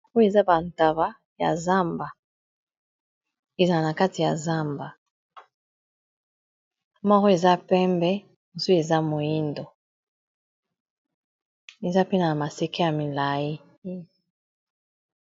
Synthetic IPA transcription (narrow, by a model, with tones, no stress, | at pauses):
o˦e˨za˦ba˨n˨ta˨ba˦ | ja̰˨za˦mba˨ | e˨za˨a˨na˨ka˦ti˨ja̰˨za˦mba˨ | mɔ˦kɔ˦e˨za˦pɛ˦mbɛ˦˨ | su˦e˨za˦mo˨ji˦ndo˨ | e˨za˦pe˦na˨na˨ma˨se˦kɛ˦ja˨mi˨la˨ji˦